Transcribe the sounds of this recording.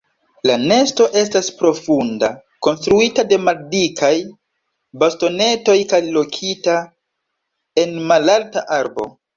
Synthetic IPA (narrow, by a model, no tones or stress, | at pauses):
lane̞sto̞ʔe̞staspɾo̞funda | ko̞nstɾuitade̞maldikʰaj | basto̞ne̞to̞jkajlo̞kʰita | e̞nmalaltaʔaɾbo̞̰